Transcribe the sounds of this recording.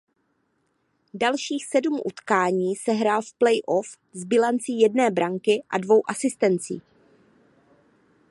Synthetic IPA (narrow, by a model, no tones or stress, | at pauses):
dalʃiːxsɛdumʔṵt̪kaːɲiːsɛɦɾaːlfplɛjʔof | zbɪlant͡siːjɛdnɛːbɾaŋkɪʔa̰dvo̞wʔasɪst̪ɛnt͡sḭː